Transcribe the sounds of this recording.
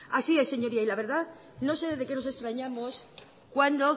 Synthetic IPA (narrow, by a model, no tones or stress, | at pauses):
asie̞sːe̞ɲo̞ɾiailaβeɾða | no̞se̞ðezðe̞ke̞no̞se̞st̪ɾaɲamos | kwand̪o̞